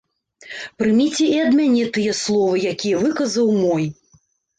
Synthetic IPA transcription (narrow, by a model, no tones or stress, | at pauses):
pɾɨmʲit͡sʲɛiɐd̪mʲanʲɛt̪ɨjɐslˠɔvɨjakʲijɐvɨkɐzɐwmɔj